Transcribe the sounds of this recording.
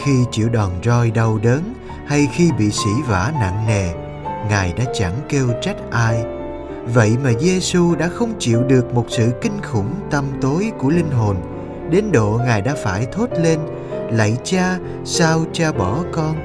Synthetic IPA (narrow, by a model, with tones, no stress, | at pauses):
xi˧t͡ɕḭ˧˨əwɗɔ˨˩nzɔ˧jɗə˧wɗəː˨˦n | ha˧jxi˧ɓḭ˧˨sḭ˧˥va̰ː˧˩˥na̰˧˨ŋlɛ˨˩ | ŋaː˨˩jɗa̰ː˧˥t͡ɕa˧˩ŋke˧wt͡ɕa˦˥k̟̚ʔaː˧j | və̰˧˨jmaː˨˩ze˧su˧ɗa̰ː˧˥xə˧wŋ͡mt͡ɕḭ˧˨əwɗɨ˨˩ək̚mo˨˩t̚sɨ̰˧˨kï˧ŋ̟xʊ˧˩nt̪ə˧mt̪o˨˦jku˧˩əlï˧ŋ̟ɦo˨˩n | ɗe˨˦nɗo̰˧˨ŋaː˨˩jɗa̰ː˧˥faː˧˩jt̪ʰo˦˥t̚le˧n | lə̰˧˨jt͡ɕaː˧ | saː˧wt͡ɕaː˧ɓɔ˧˩kɔ˧n